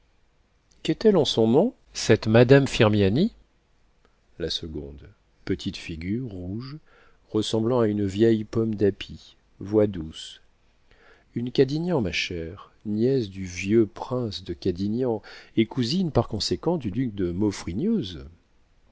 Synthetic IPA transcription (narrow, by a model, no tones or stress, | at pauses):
kɛt̪ɛlɑ̃sɔ̃nɔ̃ | sɛt̪mad̪amfiʁmjani | lasəɡɔ̃d̪ | pət̪ʰit̪fiɡʲyʁːuʒ | ʁəsɑ̃blɑ̃aynvjɛjpɔmd̪apʰi | vwad̪us | ynkad̪injɑ̃maʃɛʁ | njɛsd̪yvjøpχɛ̃sd̪əkad̪injɑ̃ekuzinpaʁkɔ̃sekɑ̃d̪yd̪yk̚d̪əmɔfχinjøz